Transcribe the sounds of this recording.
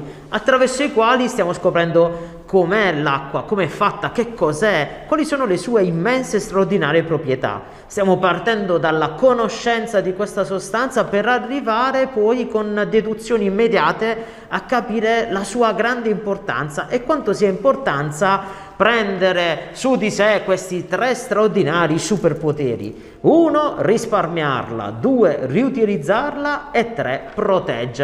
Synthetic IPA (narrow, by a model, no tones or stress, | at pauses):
at̪ːɾavɛrsoikwaːlist̪jaːmoskopɾɛnd̪o | kʰomɛla̰kːwakomeɛfːat̪ːakekʰːɔːzɛkːwaːlisoːnolesuːeimːɛnsest̪ɾaʊrd̪ina̰ːɾjepɾopɾjet̪a̰ | st̪jaːmopart̪ɛnd̪od̪alːakonoʃːɛnt̪sad̪ikwest̪asost̪ant̪sapeɾarːivaːɾepɔjkond̪ed̪ut̪sːjoːniːmːed̪jaːt̪e | akːapiːɾelasuːaɡɾand̪eimport̪a̰nt̪saʔekːwant̪osiːaimport̪ant̪sa | pɾɛnd̪eɾesud̪isekwest̪it̪ɾɛst̪ɾaʊrd̪inaːɾisuperpot̪ɛ̰ːɾḭ | uːnorisparmja̰rla̰d̪uːeriut̪ilid̪zːarlaet̪ːɾɛpɾot̪ɛ̰d͡ʒː